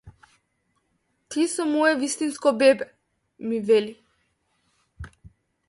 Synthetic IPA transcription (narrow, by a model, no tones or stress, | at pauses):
t̪ʰisɔmɔɛvist̪inskɔbɛbɛ | mivɛli